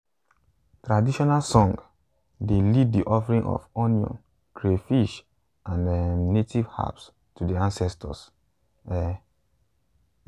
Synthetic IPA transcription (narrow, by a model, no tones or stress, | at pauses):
tɹadiʃɔnalsɔ̃ŋɡ | delid̚diʔɔfɹĩŋɔ̰fɔniɔ̰̃n | kɹefiʃ | ʔãnɛnetʰiv̥ha̰ps | tudiãnsɛstʰɔ̰s | ɛ